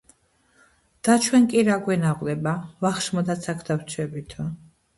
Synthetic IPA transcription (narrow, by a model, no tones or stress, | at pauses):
d̪̥at͡ʃʰwɛnkʼiɾaɡwɛnaʁlɛbavaχʃmɔd̪at̪sʰakʰd̪awt͡ʃʰwɛbit̪ʰɔ